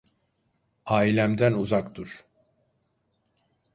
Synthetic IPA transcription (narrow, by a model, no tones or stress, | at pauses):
aːilʲæmd̪ænuzakt̪uɾ̥